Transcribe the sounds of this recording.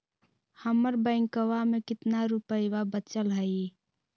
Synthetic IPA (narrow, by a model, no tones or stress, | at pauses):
həməɾbəɪ̃ŋkəwamekɪt̪naɾupəjʋabət͡ʃəlɦəi